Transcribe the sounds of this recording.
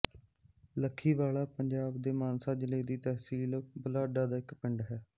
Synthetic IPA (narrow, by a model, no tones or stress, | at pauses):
ləkʰːiːʋaːlaːpəɲd͡ʒaːbd̪eːmaːnsaːd͡ʒɪleːd̪iːt̪ɛɦsiːlbəlaːɖaːd̪aːɪkpɪɳɖɦɛː